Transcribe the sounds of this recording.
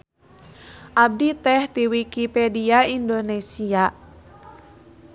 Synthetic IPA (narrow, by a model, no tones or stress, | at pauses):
ʔab̚dit̪ɛht̪iwikipediaindonesia